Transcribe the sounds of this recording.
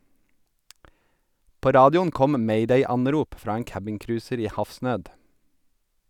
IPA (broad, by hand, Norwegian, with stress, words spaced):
ˈpoː ˈɾɑːdɪʊn ˈkɔm ˈmeɪˌdeɪˌɑnˌɾuːp ˈfɾɑː ˈeːŋ ˈkæbɪŋˌkɾʉːsəɾ ˈiː ˈhɑfˌsnøːd